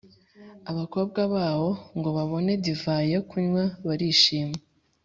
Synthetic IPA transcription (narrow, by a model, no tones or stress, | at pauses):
aβako̞ːb̚ɡaβaːβo̞ŋɡo̞βaβo̞ne̞divaːjekuɲwaβaɾiːʃiːme